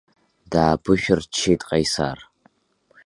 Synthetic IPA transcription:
daːbɨʃᶣʊrt͡ʃʰːeːtʼqʼɐjsa̰ːr

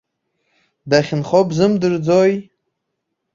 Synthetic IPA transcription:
daχʲɪnχobzɨmdɨrd͡zoj

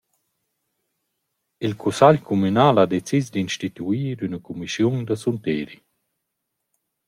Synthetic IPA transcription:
ilkʰusaʎkʰumynaːlad̪et͡sisd̪inʃt̪it̪uiːɾynəkumisjund̪əsunt̪eːɾi

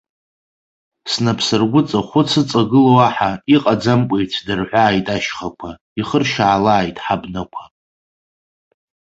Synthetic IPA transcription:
snapʰsɨrɡʷʊt͡sʼaχʷʊt͡sʰɨt͡sʼaɡɨlowaħaiqʼad͡zamkʷʼejtʰdɨrħʷaːjtʼaʃχakʷʰa | iχərʃaːlaːjtʼħabnakʷʰa

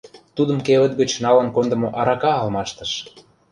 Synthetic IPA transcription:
t̪ud̪ə̆mkeβə̆t̪ɡə̆t͡ɕnɑlə̆nkond̪ə̆moʔɑɾɑkɑːlmɑʃt̪ə̆ʃ

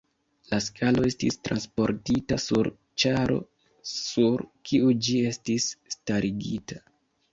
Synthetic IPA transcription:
laskʰalo̞e̞stistɾanspo̞ɾtitasuɾ | t͡ʃaɾo̞̰ | suɾkʰiud͡ʒie̞stisːtaɾiɡita

